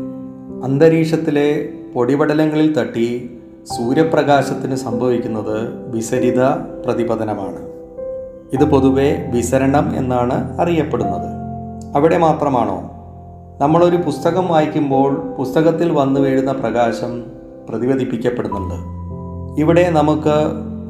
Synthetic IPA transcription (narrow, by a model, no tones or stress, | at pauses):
ɐnd̪ɐɾiːʂɐt̪ːile̞po̞ɽibɐɽɐlɐŋːɐɭilt̪ɐʈːi | suːɾjɐprɐɣaːɕɐt̪ːinɨsɐmbʱɐʋikʲːunːɐðɨʋisɐɾid̪ɐprɐðibɐðɐnɐmaːɳɨ | iðɨpo̞ðuʋe̞ʋisɐɾɐɳɐme̞̰nːaːɳɨɐrijɐpːe̞ɽunːɐðɨɐʋiɽe̞maːt̪rɐmaːɳo̞̰ː | nɐmːɐɭo̞ɾupust̪ɐɣɐmʋaːjkʲːumbo̞ːɭpust̪ɐɣɐt̪ːilʋɐnːuʋeːɻunːɐprɐɣaːɕɐm | prɐðiʋɐd̪ʱipːikʲːɐpːeɽunːuɳɖɨ | iʋiɽe̞nɐmukːɨ